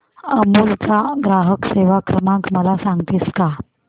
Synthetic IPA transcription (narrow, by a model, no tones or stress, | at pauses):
əmuːlt͡saɡɾaɦəkseʋakɾəmãŋkməlasãŋɡt̪iːska